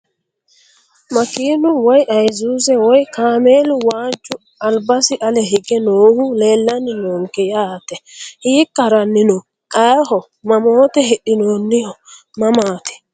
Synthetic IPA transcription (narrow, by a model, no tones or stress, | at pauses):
mɐkiːnʊwɔjʔɐjzuːzɛwɔjkaːmeːlʊwaːd͡ʒːʊ | ɐlbɐsɪʔɐlɛɦɛɡɛnoːhʊle̞ːlːɐnːɪnoːŋkɛjaːt̪ɛhiːkːɐɾɐnːɪnɔ | kʼɐɦɔ | mɐmoːt̪ɛɦɛɗɪnoːnːɪhɔ | mɐmaːt̪ɛ̥